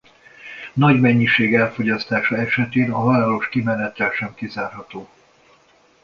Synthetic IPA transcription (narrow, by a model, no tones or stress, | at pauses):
nɒɟmɛɲːiʃeːɡɛlfo̞ɟɒst̪aːʃɒɛʃɛt̪eːnɒvaːɾo̞ʃkimɛnɛt̪ːɛlʃɛmkizaːrɦɒt̪oː